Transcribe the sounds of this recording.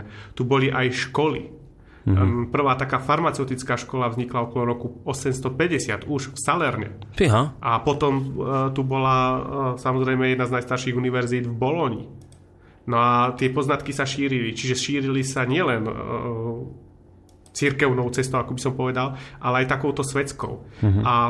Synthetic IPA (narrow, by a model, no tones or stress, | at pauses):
t̪ubɔliʔajʃkɔlḭ | pr̩ʋaːt̪akaːfaɾmat͡sɛʊt̪it͡skaːʃkɔlavzɲiklaɔkɔlɔɾɔkuɔsɛmst̪ɔpɛɟɛsɪat̪uʃfsalɛɾɲɛ̰ | ɦaʔapɔt̪ɔmt̪ubɔlasamɔzɾɛjmɛjɛd̪naznajst̪aɾʃiɣuniʋɛɾziːd̪vbɔlɔɲḭ | nɔat̪ɪɛpɔznat̪kisaʃiːɾilit͡ʃiʒɛʃiːɾilisaɲɪɛlɛn | t͡siɾkɛʊnɔʊt͡sɛst̪ɔʊakɔbisɔmpɔʋɛd̪alʔalɛajt̪akɔʊt̪ɔsʋɛt͡skɔ̰ʊa